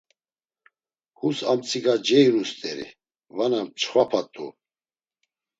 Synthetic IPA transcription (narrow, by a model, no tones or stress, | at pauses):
husamt͡sʼiɡad͡ʒɛjɾust̪ʼɛɾḭ | vanat͡ʃʰχwapʰat̪ʼṵ